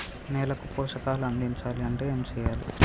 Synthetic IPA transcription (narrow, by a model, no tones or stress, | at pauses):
nɛːlɐkupɔːʂɐkaːluɐnd̪iɲt͡ʃaːliɐɳʈeːeːmt͡ʃɛːjaːli